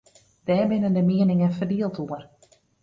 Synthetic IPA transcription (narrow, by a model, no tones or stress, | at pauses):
d̥ɛːbɪnəndəmiənɪŋənfərdiəlˠtʰuər